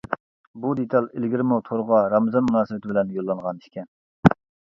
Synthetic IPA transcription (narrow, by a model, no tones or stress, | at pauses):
bud̪et̪ʰɑlˠelɡʲiɾɪmut̪ʰoɾʁɑɾɑmɨzɑnmunɑːsɨwɪt̪ʰɪbɪlɛnjolˠːɑŋʁɑni̥ʃkʲɛn